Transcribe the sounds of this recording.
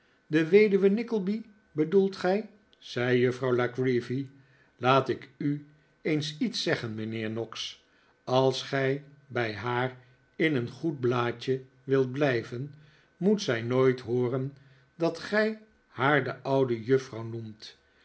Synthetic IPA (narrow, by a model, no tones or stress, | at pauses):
dəʋejdyʋənɪkəl̩ˠbi | bədulˠtχɛj | z̥ɛjjɵfrɑwlakɹivi | laːtɪky | ejnsitsɛχənmənɪːɹnɔks | ɑlˠsχɛjbɛjɦaːr | ɪnənχud̚blaːcə | ʋɪlˠt̚blɛjvən | mutsɛjnojtɦʊːrən | dɑtχɛj | haːɹdəʔʌwdəjɵfrɑwnumt